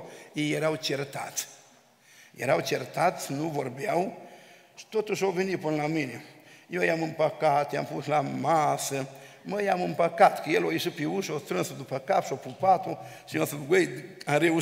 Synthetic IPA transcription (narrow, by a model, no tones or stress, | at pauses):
ijeɾawt͡ʃert̪a̰t̪ | jḛɾawt͡ʃert̪at̪nuvorbjaw | ʃi̥t̪ot̪uʃowvenipɨnlaminejejamɨmpəkat̪ja̰mpuslamasəməjamɨmpəkat̪kəjeloiʃɨpiuʃost̪ɾɨnsod̪upəkapʃopupat̪o | ʃijosəɡejaɾeu